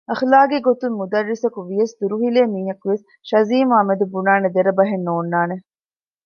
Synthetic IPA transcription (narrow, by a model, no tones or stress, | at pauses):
ɐxlaːɡeɡot̪ummud̪ɐrːisɐkuʋijɐsd̪uɾuɦileːmiːɦɐkuʋes | ʃɐziːmɐmɐd̪ubunaːned̪eɾɐbɐɦenːoːnːaːne